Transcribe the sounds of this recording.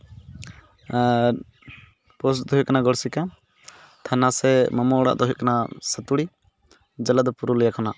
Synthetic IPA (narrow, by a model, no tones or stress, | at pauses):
pɔsd̪ɔɦɛkanaɡɔɽsika | t̪ʰanasɛmamɔɽa̰ʔd̪ɔɦuʔkanasət̪uɽi | d͡ʒəlad̪ɔpuɾulɛjakʰɔnaʔ